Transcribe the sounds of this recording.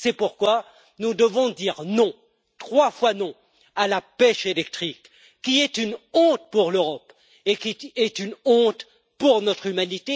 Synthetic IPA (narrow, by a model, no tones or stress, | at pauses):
sɛpuʁkwa | nud̪əvɔ̃d̪iʁnɔ̃ | t̪χwafwanɔ̃ | alapɛʃelɛk̚t̪χikː | iɛt̪ynɔ̃t̪̚puʁløʁɔp | ekʲiɛt̪ynɔ̃t̪ | puʁnɔt̪χymanit̪e